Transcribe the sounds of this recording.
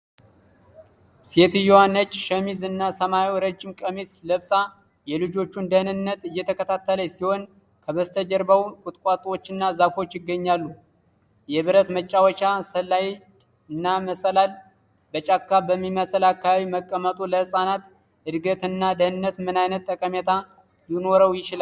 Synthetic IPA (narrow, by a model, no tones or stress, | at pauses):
set̪ɨjɛwanːət͡ʃːʃəmizɨnːasəmaiwɾəd͡ʒːɪmkʼəmisləβsa | jɛlɨd͡ʒo̞t͡ʃːund̪əhnɨnːət̪ɨjːɛt̪ʰəkʰət̪ʰat̪ːələsiho̞n | kʰəβəst̪ʰəd͡ʒəɾbawkʼʊt̪ʼkʼat̪ʼwot͡ʃːɨnːazafot͡ʃːjɪɡːəɲːalːu | jɛβɨɾət̪mət͡ʃʼːawət͡ʃːasəlːaj | ɨnːaməsəlal | bət͡ʃʼakːabəmːiməsəlakːaβaβiməkʼːəmət̪ʼuləhɨsʼanat̪ | ɨd̪ɡət̪ɨnːad̪əhnɨnːət̪mɨnajnət̪ːʼəkʼəmɛt̪ʰa | linoɾəwjɪt͡ʃɪla